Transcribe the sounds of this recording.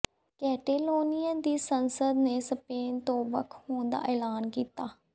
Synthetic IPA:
kɛːʈeːloːnɪjad̪iːsənsəd̪neːsəpeːnt̪oːbəkʰhoːɳd̪a̰ːʔeːlaːnkiːt̪aː

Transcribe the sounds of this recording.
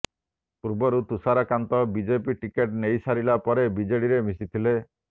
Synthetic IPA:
puɾbɔɾut̪usaɾakant̪ɔbid͡ʒepiʈikeʈnejsaɾilapɔɾebid͡ʒeɽiɾemisit̪ʰile

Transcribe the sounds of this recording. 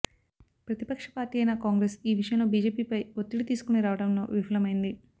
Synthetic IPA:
pɾɐt̪ipɐkʂɐ̥paːɾʈiːɐjnakaːŋɡɾeːsiːʋiʂɐjɐmlo̞ːbiːd͡ʒe̞ːpiːpɐjot̪ːiɽit̪iːsu̥kuniɾaːʋɐɽɐmlo̞̰ːʋifɐlɐmɐjind̪i

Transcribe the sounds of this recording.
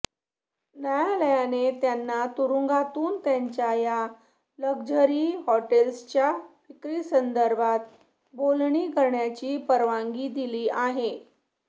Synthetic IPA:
nəjaləjanet̪janːat̪uɾuŋɡat̪uːnt̪jaɲt͡ɕjaja | ləɡd͡ʑəɾiːɦɔʈelst͡ɕjafikɾiːsənd̪əɾbʱat̪ | bolɳiːɡəɾɳjat͡ɕiːpəɾʋaŋɡiːd̪iliːaɦe

